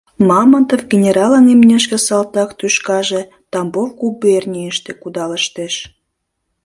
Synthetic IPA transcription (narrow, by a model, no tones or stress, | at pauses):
mɑmənt̪əfɡenʲeɾɑlənemnʲeʃkĕsɑlt̪ɑkt̪yʃkɑʒe | t̪ɑmbowɡubernʲijəʃt̪ĕkud̪ɑləʃt̪eʃ